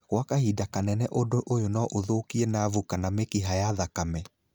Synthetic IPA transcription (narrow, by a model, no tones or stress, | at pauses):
ɣwakahidakanɛnɛʔodoʔojonɔʔoðoːkiɛnavukanamekiɦajaðakamɛ